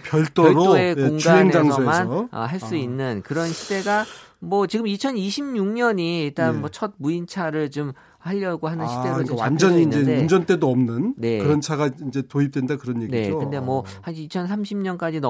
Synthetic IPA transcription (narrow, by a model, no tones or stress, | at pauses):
pjʌɭt͈oɾoekeoŋɡaeŋed͡ʑaŋʌomanʌʌ̰ɦaɭs͈uinːɯnkɯɾʌnɕʰide̞ɡamwʌt͡ɕiɡɯmit͡ɕʰʌniɕʰimɲuŋɲʌɲiːɭt͈anmwʌt͡ɕʰʌd̚muint͡ɕʰaɾɯɭt͡ɕom | haʎːʌɡohanɯnɕʰide̞ɡowand͡ʑʌɲiːnd͡ʑeund͡ʑʌnt͈e̞doʌmnɯnne̞kɯɾʌnt͡ɕʰaɡaind͡ʑe̞toip̚t͈wendakɯɾʌnjeɡnie̞d͡ʑokɯnde̞mwʌhanit͡ɕʰʌnsʰamɕʰimɲʌnk͈ad͡ʑin